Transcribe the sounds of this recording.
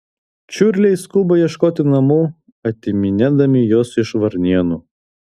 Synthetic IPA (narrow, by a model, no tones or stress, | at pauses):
t͡ʃʲʊɾʲlʲɛɪskʊbɐjiɛʃkoːt̪ʲɪnɐmuː | ɐt̪ʲɪmʲɪnʲæd̪ɐmʲɪjoːsɪʃʋɐɾʲnʲiɛnuː